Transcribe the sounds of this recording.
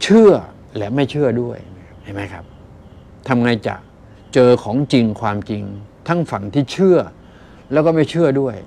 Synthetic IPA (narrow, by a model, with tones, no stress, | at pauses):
t͡ɕʰɯ˥˩ɐ | lɛː˨˦˥ma˥˩jt͡ɕʰɯ˥˩ɐdu˥˩əjʰ | a˥˩jma˦˥jkʰa˦˥p̚ | t̪ʰa˧mŋa˧jt͡ɕa̰˨˩k̚ | t͡ɕɤː˧kʰɔː˩˦ŋt͡ɕi˧ŋkʰwaː˧mt͡ɕi˧ŋt̪ʰa˦˥˩ŋfa˨˩ŋt̪ʰiː˥˩t͡ɕʰɯ˥˩ɐ | lɛː˦˥wkɔː˥˩ma˥˩jt͡ɕʰɯ˥˩ɐdu˥˩əj